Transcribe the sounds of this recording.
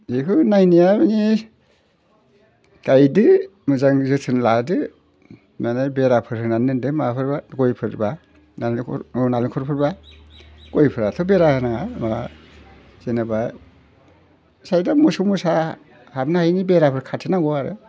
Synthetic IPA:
ikʰɯnajnijabɯni | kajdɯmɯzaŋzɯtʰɯnladɯ | manajbeɾapʰɯɾɯnanɯndɯmapʰɯɾbaɡɔjpʰɯɾba | nalnaliŋkʰɔɾpʰɯɾba | ɡ̥ɔjpʰɯɾatʰɔbeɾahɯnaŋama | zenabaj | sajdamusumusa | habnahajnibeɾapʰɯɾkʰatʰɯnaɡɔaɾɯ̰

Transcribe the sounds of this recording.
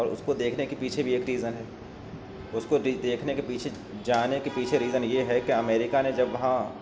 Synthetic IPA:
ɔːɾʊ̰skod̪eːkʰnekepiːt͡ʃʰebʱieːkɾiːzənɦɛː | ʊskoɾid̪eːkʰnekepiːt͡ʃʰe | d͡ʒaːnekepiːt͡ʃʰeɾiːzənjeɦɛkeɐmeːɾɪkanẽd͡ʒɐbʋɐɦã

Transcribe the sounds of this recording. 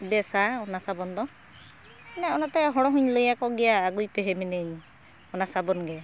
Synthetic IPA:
bɛsaɔnasabɔnd̪ɔ | nɛɔnat̪ɛɦɔɽɔɦuɲləjakɔɡɛjaːɡujpeɦemineɲ | ɔnasabɔnɡɛa

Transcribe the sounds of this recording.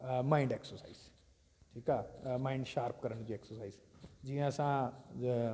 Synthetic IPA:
maiɳɖeksəɾsaiz | ʈʰiːkamaiɳɖɕaɾpkəɾəɳ̃t͡ɕiːeksəɾsaizd͡ʑĩəsã

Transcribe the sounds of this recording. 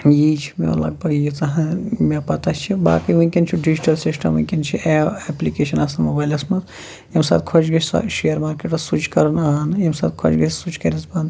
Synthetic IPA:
jit͡ʃʰi̥mḛo̰lɐ̰ɡ̚bʱɐɡjit̪ɐɦɐ̃mepɐt̪at͡ʃʰiba̰ːkiʋũnkint͡ʃʰiɖid͡ʒiʈɐlsisʈɐ̰mũkint͡ʃʰieeplikeʃɐnɐsɐnmobaːjlɐsmɐt̪ | jemsa̰ːt̪̚kʰot͡ʃʰɡɐsɐ̰ʃejɐɾmaːɾkeʈɐsut͡ʃʰkɐɾɐnaːɦɐnjemsa̰ːt̪kʰo̰t͡ʃɡɐsut͡ʃkɐɾʲɐsband̪

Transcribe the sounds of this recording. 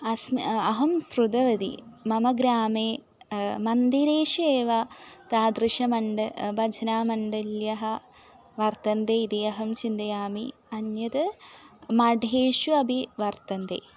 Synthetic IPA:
ɐsmɐɦɐmsɾud̪ɐʋɐd̪ḭmɐmɐɡɾaːmeː | mɐnd̪iɾeːʃueːʋɐt̪aːd̪ɾiʃɐmɐɳɖɨbɐd͡ʒʱɐnaːmɐɳɖɐljɐɦɐ | ʋɐɾt̪ɐnd̪eːid̪iɐɦɐmt͡ʃind̪ɐjaːmiɐnjɐt̪ɨ | mɐɖʱeːʃuɐbʱiʋɐɾt̪ɐnd̪ḛː

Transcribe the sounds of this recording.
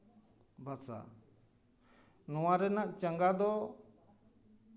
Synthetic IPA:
bʱasa̰ | nɔwaɾɛnaʔt͡ʃəŋɡad̪ɔ

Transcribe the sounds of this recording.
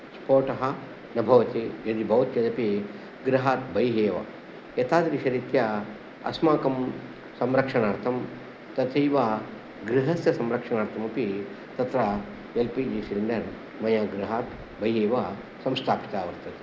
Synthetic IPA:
spoːʈɐɦɐ | nɐbʱɐʋɐt̪id͡ʒɐd̪ibʱɐʋɐt̪jɐd̪ɐpi | ɡɾɐɦaːt̪bʱɐjɦeːʋɐ̰ | jɐt̪aːd̪ɾiʃɐɾit̪jɐ | ɐ̰smaːkɐm | sɐmɾɐkʂɐnaːɾt̪ʰɐm | t̪ɐt̪ʰɐjʋa | ɡɾiɦɐsjɐsɐmɾɐkʂɐnaːɾt̪ʰɐmɐpi | t̪ɐt̪ɾɐ | elpiːd͡ʒiːsiɾiɳɖɐɾ | mɐjaːɡɾɐɦaːt̪ | bʱɐjɦeːʋɐ | sɐmst̪ʰaːpi̥t̪aːʋɐɾt̪ʰɐt̪i̥

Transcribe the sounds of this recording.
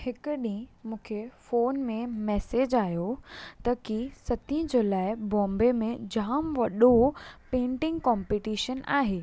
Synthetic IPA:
hɪkʊɗĩmũːkʰefoːnmẽmɛːseːd͡ʑaːjot̪ɐkisɐt̪ʰĩd͡ʑoːlaːɪbɔ̃ːmbemẽd͡ʑaːmʋɐɗopẽːɳʈɪ̃ŋɡkɔ̃ːmpiʈiːʃəna̰ːɦeː

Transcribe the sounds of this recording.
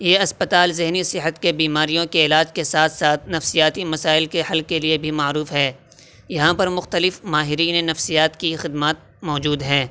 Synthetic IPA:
jeːɐspət̪aːlzɪɦnisɪɦət̪kebiːmaːɾijõkeɪlaːd͡ʒkesaːt̪ʰsaːt̪̚ʰnɐfsijaːt̪imɐsaːɪlkehɐlkeliebʱimaːɾuːfɦɛː | jɐɦãpɐɾmʊxt̪əlɪfmaːɦɪɾiːnenɐfsijaːt̪kixɪd̪maːt̪̚ | mɔːd͡ʒuːd̪ɦɛ̃ː

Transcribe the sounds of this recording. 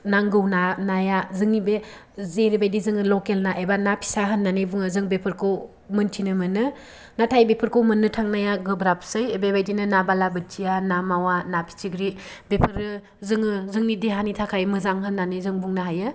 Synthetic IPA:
naŋɡɯwnanajazɯŋnibe | zeɾibajdizɯŋɯlokelnaʔebanapʰi̥saɦɯnːanɯbuŋɯzɯŋbepʰɯɾkʰɯw | mɯntʰinɯmɯnɯ | natʰajbepʰɯɾkʰɯwmɯnːɯtʰaŋnajaɡɯbɾapsɯjebebajdinɯnabalabɯtʰijanamawanapʰi̥t͡ʃiɡɾibepʰɯɾɯ | zɯŋɯzɯŋnidiɦanitʰakʰajmɯzaŋɦɯnːanɯzɯŋbuŋnɯɦajɯ

